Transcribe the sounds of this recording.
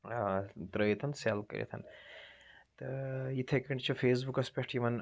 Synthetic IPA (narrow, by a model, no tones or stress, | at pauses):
t̪ɾəːjit̪ʰɐnselkɐ̰ɾjḭt̪ʰɐ̰n | t̪ɐjit̪ʰekiɳʈt͡ʃʰufʰeːsbukɐspɐʂʈʰjiʋɐn